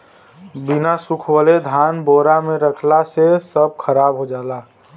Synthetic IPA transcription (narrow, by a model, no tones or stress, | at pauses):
bɪnasʊkʰwəled̪ʱaːnboːɾamẽɾəkʰlasesəb̚kʰəɾaːbɦod͡ʒaːlaː